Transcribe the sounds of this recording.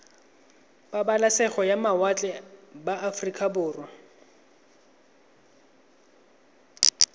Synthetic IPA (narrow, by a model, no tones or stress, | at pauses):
babalasɛχɔjamawat͡ɬʼɛbaafrikʼabʊːrwɔ